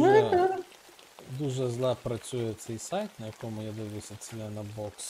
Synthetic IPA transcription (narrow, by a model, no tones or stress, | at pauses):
d̪uʒɛzlˠɑpɾɐt͡sʲujɛt̪sɛjsɑjt̪nɐjɐkɔmʊjad̪ɪʋɪjsʲɐt͡sʲilʲɛnɐbɔks